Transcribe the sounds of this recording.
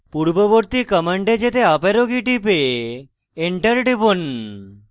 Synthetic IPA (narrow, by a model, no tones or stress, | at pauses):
puɾboboɾt̪ikəməɳɖed͡ʑet̪eapeɾoɡiʈipeː | ɳʈəɾɖibon